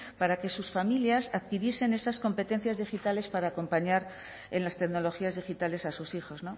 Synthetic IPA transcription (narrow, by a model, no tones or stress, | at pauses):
paɾake̞susfamiljasaðkiɾje̞se̞ne̞sasko̞mpe̞t̪e̞n̟θjazðixit̪ale̞spaɾaːko̞mpaɲaɾ | e̞nlast̪e̞kno̞lo̞xiazðixit̪ale̞sasusixo̞zno̞